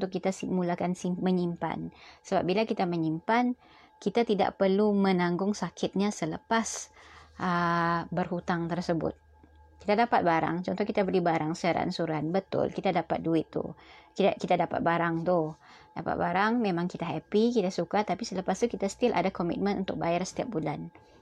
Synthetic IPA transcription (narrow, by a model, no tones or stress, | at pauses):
ut̪ʊʔkːit̪asimulakansiməɲimpa̰nsəba̰p̚bilakit̪aməɲimpan | kit̪at̪ida̰ʔpərlumə̃naŋɡʊŋsakʰɪt̪̚ɲasələpasʔəbərhut̪aŋt̪ərsəbʊ̰t̪̚ | kit̪adapat̪̚baɾa̰ŋt͡ʃɔnt̪ɔhkit̪abəlibaɾaŋsaɾa̰nsuɾanbət̪ʊ̰lkit̪adapat̪̚duɪt̪ːṵkit̪akit̪adapa̰t̪̚baɾaŋt̪u | da̰pa̰t̪̚baɾaŋmemãŋkit̪aɦɛpikit̪asukat̪apisələpast̪ukit̪asə̥t̪ɪlʔa̰dakɔmḭt̪̚mə̃nʔṵnt̪ʊk̚bajarsə̥t̪iap̚bulan